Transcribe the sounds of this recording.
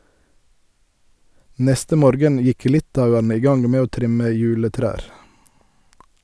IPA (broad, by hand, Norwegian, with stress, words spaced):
ˈnɛstə ˈmoːɾɡən ˈjɪk ˈlɪtɑʉənə ˈiː ˈɡɑŋ ˈmeː ˈoː ˈtʁɪmə ˈjʉːləˌtɾæːɾ